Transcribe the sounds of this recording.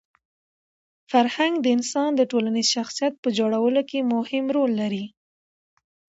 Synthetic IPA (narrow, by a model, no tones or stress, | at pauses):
faɾhaŋɡd̪əɪnsɑnd̪əʈolanizʃaxsijat̪̚pəd͡ʒoɽawəlokemʊhɪmɾolːaɾi